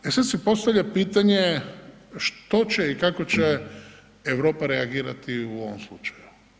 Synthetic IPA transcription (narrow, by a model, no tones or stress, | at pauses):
esad̪sipo̞st̪aʋʎʲapiːt̪aɲe | ʃt̪o̞t͡ɕeikako̞t͡ɕe | eʋɾo̞ːpaɾeaɡiːɾa̰t̪iuo̞ʋomslˠut͡ʃḁju